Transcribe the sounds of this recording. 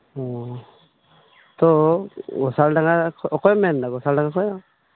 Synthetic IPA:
ɔ | t̪ɔɡɔsalɖaŋɡakʰɔɔkɔjɔmɛndaɡɔsalɖaŋɡakʰɔjɔ

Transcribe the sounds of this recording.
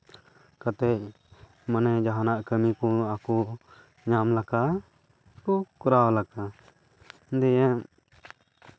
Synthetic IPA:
kat̪ec̚ | manɛd͡ʒaɦanaʔkəmikɔaku | ɲamlaka | kukuɾawlaka | d̪ɛjɛ̃

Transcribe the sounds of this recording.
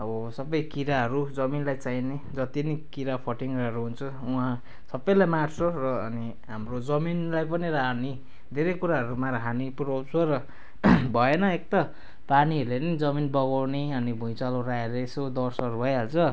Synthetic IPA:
ʌbʌsʌbʌjkiɾaɦʌɾud͡zʌminlajt͡saine | d͡zʌt̪inikiɾapʰʌʈiŋraɦʌɾuɦunt͡sʰʌ | uɦã | sʌbʌjlajmarsʰorʌːni | ɦamrod͡zʌminlajp̬ʌniɾaɦani | d̪ʱeɾʌjkuɾaɦʌɾumaɾaɦanipuɾawt͡sʰoɾʌ | bʱʌenʌek̚t̪a | paniʌlenʌd͡zʌminbʌɣawneʌnibʱũj̃t͡salorajeresod̪ʌrsʌʌɾubʱʌjɦalt͡sʰʌ

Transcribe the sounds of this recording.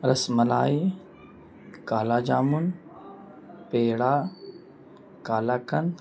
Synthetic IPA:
ɾɐsmɐla̰ːi | kaːlaːd͡ʒaːmun | peːɽaː | kaːlaːkɐn

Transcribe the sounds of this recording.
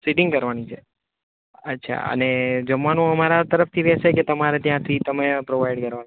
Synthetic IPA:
siʈɪŋɡkəɾʋanit͡ʃʰe | ətːʃʰa̰ə̰ned͡ʒəmʋanũəmaɾat̪əɾəft̪ʰiʋɛseket̪əmaɾet̪jãt̪ʰit̪əmepɾoʋajɖkəɾʋan

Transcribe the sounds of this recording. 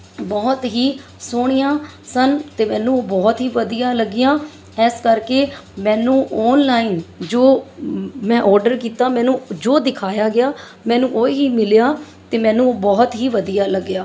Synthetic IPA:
bɔːt̪ɦiː | sʊːɽ̃ijãː | sənt̪eːmɛ̃ːnũːoːbɔːt̪ɦiːʋəd̪ijãːləɡɪjãː | ɛːskəɾkeːmɛ̃ːnũːʔɔːnlaːiːnd͡ʒoː | mɛ̃ːʔɔːɾɖəɾkiːt̪aːmɛ̃ːnũːd͡ʒoːd̪ɪkʰaːjaːɡɪjaː | mɛ̃ːnũːʔoːɦiːmɪljaː | t̪eːmɛ̃ːnũːoːbɔːt̪ɦiːʋəd̪ijaːləɡɪjaː

